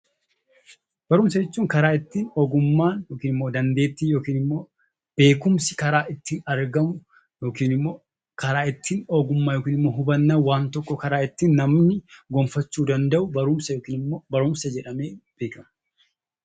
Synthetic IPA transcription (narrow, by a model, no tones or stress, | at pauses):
b̥ɐɾʊmsɐd͡ʒɛt͡ʃːuːŋkɐɾaːɪt̪ːiːnɔɡʊmːaːnjoːkiːnɪmːoːd̪ɐnd̪e̞ːt̪ːiːjoːkiːnɪmːo̞ː | b̥e̞ːkʊmsɪkɐɾaːʔɪt̪ːiːnɐɾɡɐmʊ | jo̞ːkiːnɪmːoː | kɐɾaːɪt̪ːiːnɔɡʊmːaːjoːkiːnɪmːo̞ːɦʊbɐnːaːwaːnt̪ɔkːɔkɐɾaːɪt̪ːiːnːɐmnɪɡɔmfɐt͡ʃːuːd̪ɐnd̪ɐʔʊbɐɾʊmsɐjoːkiːnɪbɐɾʊmsɐd͡ʒɛᶑɐme̞ːb̥e̞ːkɐmʊ